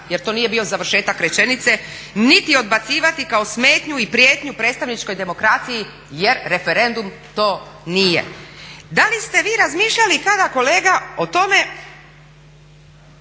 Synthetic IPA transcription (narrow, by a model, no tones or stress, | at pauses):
jeɾt̪o̞ːnije̞biːo̞zaʋr̩ʃe̞ːt̪akɾet͡ɕe̞nit̪se̞ | nit̪io̞d̪̚bat̪siːʋat̪ikao̞sme̞ːt̪ɲuipɾijeːt̪ɲupɾe̞ːt̪st̪aʋnit͡ʃko̞jd̪e̞mo̞kɾat̪siji | je̞ɾɾe̞fe̞ɾe̞nd̪um | t̪o̞ːnijḛd̪alist̪e̞ʋiːɾazmiːʃʎalikad̪ako̞le̞ːɡao̞t̪o̞me̞